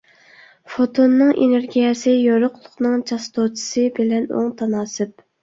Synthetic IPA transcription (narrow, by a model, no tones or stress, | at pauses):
fot̪ʰonːɨŋeneɾɡʲijɛsɨjoɾʊqlˠʊχnɨŋt͡ʃʰɑst̪ot͡ʃʰɪ̥sɨbɪlɛno̰ŋt̪ʰɑnɑːsɨp̚